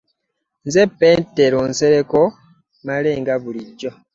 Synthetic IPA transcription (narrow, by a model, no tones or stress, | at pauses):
nzepeːnteɾonseɾeko | maleːŋɡaβuliɟo